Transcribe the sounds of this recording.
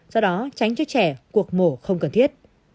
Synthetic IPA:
zɔ˧ɗɔ˨˦t͡ɕa˨˦jŋ̟t͡ɕɔ˧t͡ɕɛ˧˩ku˨˩ək̚mo˧˩xə˧wŋ͡mkə˨˩nt̪ʰi˦˥ət̚

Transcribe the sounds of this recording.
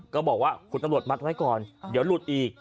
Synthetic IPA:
kɔː˥˩bɔː˨˩k̚waː˥˩kʰu˧nt̪a˧mɾu˨˩ət̪̚m̚ʰ˧˦˥wa˦˥jkɔː˨˩ndiː˨˦əwlu˨˩t̪̚ʔiː˨˩k̚

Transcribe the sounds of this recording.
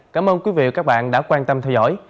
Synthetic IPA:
kaː˨˦mʔəː˧nkwi˨˦vḭ˧˨kaː˦˥k̚ɓa̰ː˧˨nɗa̰ː˧˥kwaː˧nt̪ə˧mt̪ʰɛ˧wzɔ̰˧˥˨j

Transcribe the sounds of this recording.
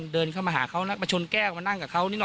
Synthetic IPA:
ndɤː˧nkʰaː˥˩maː˧ɦaː˩˦kʰa˦˥wla˦˥pa˧t͡ɕʰo˧nkɛː˥˩kma˧na˥˩ŋkaː˨˩kʰa˦˥wniː˦˥nɔ˨˩

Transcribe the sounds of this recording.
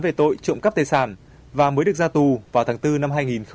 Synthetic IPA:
nve˨˩t̪o̰˧˨jt͡ɕʊ̰˧˨ŋ͡mka˦˥t̪e˧˩saː˧˩n | vaː˨˩məː˨˦jɗɨ˨˩ək̚zaː˧t̪u˨˩vaː˨˩wt̪ʰaː˨˦ŋt̪ɨ˧na˧mɦaː˧jŋi˨˩nx

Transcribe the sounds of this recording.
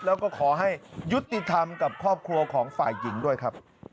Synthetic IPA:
lɛː˦˥wkɔː˥˩kʰɔː˩˦ɦa˥˩jju˦˥t̪ːi˨˩t̪ʰa˧mka˨˩p̚kʰɔː˥˩p̚kʰɾu˧ɐkʰɔː˩˦ŋfa̰ː˨˩jːi˩˦ŋdu˥˩əjkʰa˦˥p̚

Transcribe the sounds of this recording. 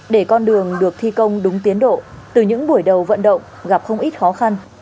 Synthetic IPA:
ɗe˧˩kɔ˧nɗɨ˨˩əŋɗɨ˨˩ək̚t̪ʰi˧kə˧wŋ͡mɗʊ˨˦ŋ͡mt̪i˨˦ənɗo̰˧˨t̪ɨ˨˩ɲɨ̰˧˥ŋɓu˧˩əjɗə˨˩wvə̰˧˨nɗə̰˧˨wŋ͡m | ɣa˨˩p̚xə˧wŋ͡mʔi˦˥t̚xɔ˨˦xa˧n

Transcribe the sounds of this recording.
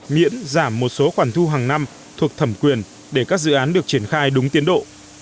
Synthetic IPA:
ŋḭ˧˥ənzaː˧˩mːo˨˩t̚so˨˦xwaː˧˩nt̪ʰu˧ɦaː˨˩ŋna˧m | t̪ʰu˨˩ək̚t̪ʰə˧˩mkwi˨˩ən | ɗe˧˩kaː˦˥k̚zɨ̰˧˨ʔaː˨˦nɗɨ˨˩ək̚t͡ɕi˧˩ənxaː˧jɗʊ˨˦ŋ͡mt̪i˨˦nɗo̰˧˨ʔ

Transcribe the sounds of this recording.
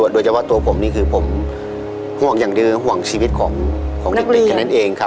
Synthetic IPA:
u˨˩t̪̚doː˧jt͡ɕa˧pʰɔ˧˥˩t̪u˧ɐ˧pʰo˩˦mniː˥˩kʰɯː˧pʰo˩˦m | hu˧˩əŋjaː˨˩dɯː˧ɦu˧˨˩əŋt͡ɕʰiː˧i˦˥t̪̚kʰɔː˩˦ŋkʰɔː˩˦ŋi˧a˧na˥˩nʔeː˧ŋkʰa˦

